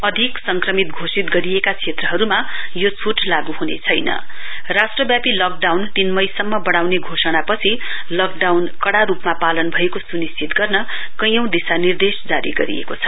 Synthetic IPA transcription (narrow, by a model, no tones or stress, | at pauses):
ʌd̪ʱiksʌŋkrʌmit̪ɡʱosit̪ɡʌɾijekat͡sʰet̪rʌɦʌɾumajot͡sʰuʈlaɡuɦunḛt͡sʰʌjnʌ̰ | rasʈrʌbjapilʌk̚ɖawnt̪inmʌjsʌmːʌbʌɽ̃awneɡʱosʌɽ̃apʌt͡sʰi | lʌkɖawnkʌɽaɾupmapalʌnbʱʌekosunist͡sit̪ɡʌrnʌ | kʌj̃ʌw̃d̪isanird̪esd͡zaɾḭɡʌɾḭjḛkot͡sʰʌ̥